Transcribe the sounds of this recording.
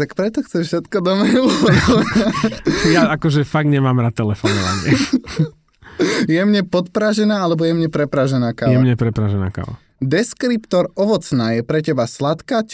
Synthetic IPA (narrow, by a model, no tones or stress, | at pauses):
t̪akpɾɛt̪ɔxt͡sɛʃfʃɛt̪kɔd̪ɔmɛjulɔajaakɔʒɛfaɡɲɛmaːmɾat̪ːɛlɛfɔnɔʋa̰ɲɪɛ | jɛmɲɛpɔt̪pɾaʒɛnaːalɛbɔjɛmɲɛpɾɛpɾaʒɛnaːkajɛmɲɛpɾɛpɾaʒɛna̰ːka̰ʋa̰ | d̪ɛskɾipt̪ɔɾɔʋɔt͡snaːjɛpɾɛcɛbaslat̪kaː